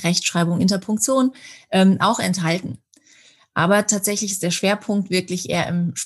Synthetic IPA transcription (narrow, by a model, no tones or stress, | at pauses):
ʁɛçtʃʁ̥aɪbʊŋʔɪntɐpʰʊŋk̚t͡sjoːnʔɛːmʔa̰ʊxɛ̰ntɦaltn̩ | ʔa̰ːbɐtʰaːtz̥ɛçlɪçɪstd̥eːɐʃv̥eːɐpʰʊŋk̚tv̥ɪɐklɪçʔḛːɐ̰ʔɪ̰mʃ